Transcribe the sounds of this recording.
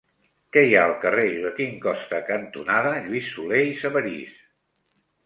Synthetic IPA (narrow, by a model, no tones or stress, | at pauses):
kɛijaəlˠkəreðəkiŋkɔst̪əkənt̪unaðəʎuisːuleisəβəɾḭs